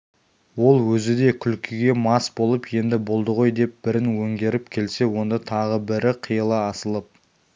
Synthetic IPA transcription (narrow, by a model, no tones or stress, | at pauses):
wo̞lˠwɵzɪd̪e̞kʲʰʏlkʲʰɪɡʲe̞mɑsbo̞lˠəpje̞nd̪ɪbo̞lˠd̪əʁo̞jd̪e̞p̚b̥ɪɾɪnwɵŋɡʲe̞ɾɪpkʲʰe̞lse̞wo̞nd̪ət̪ʰɑʁəbɪɾɪqʰijəlˠəɑsəlˠəp̚